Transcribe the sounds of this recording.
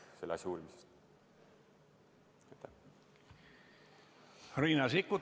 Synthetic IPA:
selːɑsʲjɑuːlmisest̪ | et̪ːæ | riːnɑsikːut̪

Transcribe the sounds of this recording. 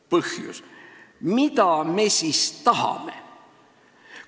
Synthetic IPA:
pɤhjṵsmit̪ɑmesiːst̪ɑhɑ̰me̞̰

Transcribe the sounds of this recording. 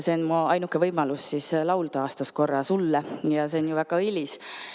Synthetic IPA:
se̞onmuɑjnukːˑevɤjmɑlusːislɑwld̪ɑɑːst̪ɑskorːɑsulːɑjɑse̞onjuvæɡ̥ɑilʲis

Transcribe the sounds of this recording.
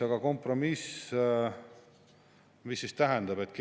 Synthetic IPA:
ɑɡ̥ɑko̞mpro̞mis | misːist̪æɦɛnd̪̥ɑbe̞t̪ˑke

